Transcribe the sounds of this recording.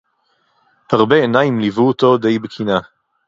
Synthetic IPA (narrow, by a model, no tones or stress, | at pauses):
haʁbeenajimlivuot̪o̞d̪e̞jbekʰina